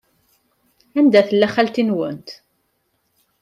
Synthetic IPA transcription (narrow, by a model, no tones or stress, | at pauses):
ænd̪æθəlːæχælt̪inwənt̪